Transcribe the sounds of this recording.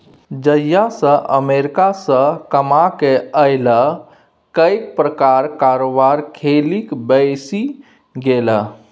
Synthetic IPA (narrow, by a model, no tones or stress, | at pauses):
d͡ʒəjasə̃ʔə̰meɾikasə̃kəmakeəjlə | kəjk̚pɾəkaɾkaɾobaɾkʰelikbəjsi | ɡelə